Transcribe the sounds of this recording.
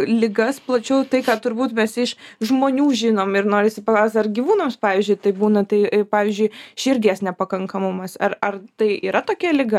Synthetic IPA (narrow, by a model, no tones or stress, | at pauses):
lʲɪɡɐsplˠɐt͡ʃʲɛʊt̪ɐɪkɑːt̪ʊɾbuːt̪mʲɛsɪʃʒmoːnʲuːʒʲɪnoːmɪɾnoːɾʲɪsʲɪpɐklˠɑɐʊsʲt̪ʲɐrɡʲiːʋuːnoːmspɑːʋʲiːzʲd͡ʒʲʊɪt̪ɐɪbuːnɐt̪ɐɪpɑːʋʲiːzʲd͡ʒʲʊɪʃʲɪɾʲɡʲeːsnʲɛpɐkɐŋkɐmʊmɐsɐrɐrt̪ɐɪiːɾɐt̪oːkʲɛlʲɪɡɐ